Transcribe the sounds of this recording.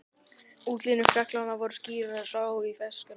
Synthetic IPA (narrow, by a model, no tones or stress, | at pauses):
uːt̪linʏfjɛklanːavɔɾʏ̥sciːɾaðsaːwifɛskʏ